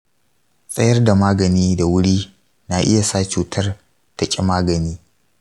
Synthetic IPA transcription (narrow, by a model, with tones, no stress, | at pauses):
sʼɐ˦jɐ˦rda˨maː˦ɡɐ˨niː˦da˨wʊ˦ɽiː˦ | na˨ʔɪ̰˦ja˨sa˦t͡ʃuː˨tʰɐ˦r | tɐ˨kʲʼɪ˦maː˦ɡɐ˨niː˦